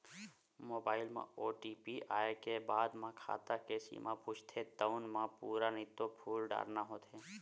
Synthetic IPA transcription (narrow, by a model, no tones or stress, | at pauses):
moːbaːɪlmã̰oːʈiːpiʔa̰ːekebaːd̪mãkʰa̰ːt̪akesḭmʔãpʊt͡ʃʰt̪ʰet̪əʊnmãpuːɾanɪt̪opʰuːlɖa̰ːɾnaɦoːt̪ʰeː